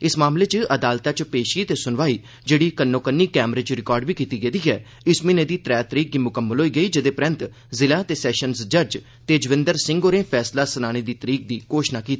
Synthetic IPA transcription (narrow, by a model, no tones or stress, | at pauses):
ɪsmaːmleːt͡ʃəd̪aːlt̪aːt͡ʃpeːʃiːt̪eːsʊnʋaːiː | d͡ʒeːɽiːkənːoːkənːiːkɛːmɾeːt͡ʃɾɪkɔːɾɖbiːkiːt̪iːɡed̪iːɦɛː | ɪsminẽːd̪iːt̪ɾɛːt̪əɾiːk̚d̪iːmʊkəmːəlɦoːiːɡəiːd͡ʒɪd̪eːpɾə̃nt̪ | zɪlãːt̪eːsɛːʃənsd͡ʒəɾd͡ʒ | t̪eːd͡ʒəʋɪ̃nd̪əɾsɪ̃ŋɡoːɾẽːpʰɛːslaːsənaːɽ̃eːd̪iːt̪əɾiːk̚d̪iːkoːʃnaːkiːt̪iː